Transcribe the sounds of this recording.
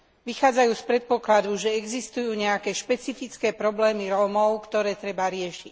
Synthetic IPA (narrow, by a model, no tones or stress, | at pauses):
ʋixaːd͡zajuːspɾɛt̪̚pɔklad̪uʒɛɛɡzist̪ujuːɲɛakɛːʃpɛt͡sifit͡skɛːpɾɔblɛːmiɾɔːmɔʊkt̪ɔɾɛːt̪ɾɛbaɾɪɛʃic